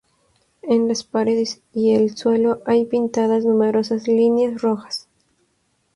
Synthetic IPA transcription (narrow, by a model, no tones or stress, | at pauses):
enlaspaɾeðes | ielswe̞lo̞ʔajpint̪aðaznume̞ɾo̞sazlinjasroxḁs